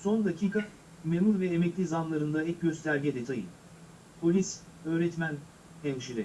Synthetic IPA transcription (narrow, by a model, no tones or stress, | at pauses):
so̞nd̪acʰiːka | memuɾvɛːmɛclʲizanlˠaɾɯnd̪aɛcɟø̞st̪ʰæɾɟid̪ɛt̪ʰajɯ̰n | pʰo̞lʲis | ø̞ːɾɛt̪mæn | t̪ʰɛnʃiɾɛ